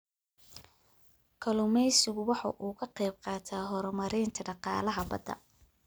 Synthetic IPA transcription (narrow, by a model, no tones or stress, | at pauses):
kʰɐlʊmɛjsɪɣʊwɑħɑ̰ʔuːkʰɐqɛjb̚qɑːt̪ʰaːɦɔɾɔmɐɾiːnt̪ʰɐɖɑqɑ̰ːlɐɦɐbɐ̰d̪ɐ̰